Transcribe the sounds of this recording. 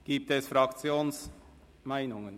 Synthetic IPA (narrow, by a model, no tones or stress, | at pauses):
ɡ̥iːp̚t̪ɛsfrɑkt͡sjoːns | maɪnʊŋən